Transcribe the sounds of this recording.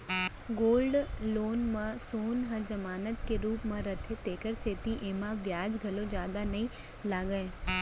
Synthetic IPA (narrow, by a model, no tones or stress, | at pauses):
ɡoːlɖloːnmãsoːnɦə̃d͡ʒəmaːnət̪keɾuːpmãɾət̪ʰet̪eːkəɾt͡ʃʰeːt̪iʔeːmãʋjaːd͡ʒɡʱəlõd͡ʒjaːd̪anɐɦĩ | laːɡəe